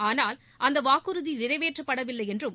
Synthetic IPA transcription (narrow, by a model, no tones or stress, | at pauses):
aːnaːl | ʔɐnd̪ɐʋaːkɯɾɯðinɪɾɐɪʋeːʈrɐpːɐɽɐʋɪlːɐɪjɛndrɯm